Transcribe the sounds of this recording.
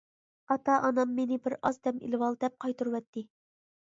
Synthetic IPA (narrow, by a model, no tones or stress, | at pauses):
ɑt̪ɑʔɑnɑmːenɪbɪɾɑzd̪ɛmḭlwɑlˠd̪ɛp̚qʰɑjt̪uɾwɛt̪ːɪ